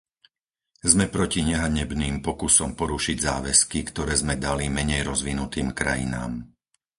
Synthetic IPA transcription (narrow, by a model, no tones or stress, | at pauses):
zmɛpɾɔciɲɛɦaɲɛbniːmpɔkusɔmpɔɾuʃiɟzaːʋɛskikt̪ɔɾɛːzmɛd̪alimɛɲɛjɾɔzʋinut̪iːmkɾa̰jḭna̰ːm